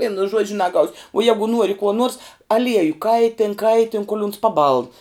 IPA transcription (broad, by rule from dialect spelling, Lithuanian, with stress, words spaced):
ˈʋʲiɛnʊ ˈʒuɔd͡ʒʲʊ nɐˈɡɐʊsʲ uɔ ˈjæːɡʊ ˈnuɔrʲɪ kuɔ nuɔrs ɐˈlʲiɛjʊ ˈkɐɪtʲeːn ˈkɐɪtʲeːn koːlˠ ʊns pɐˈbɐlˠn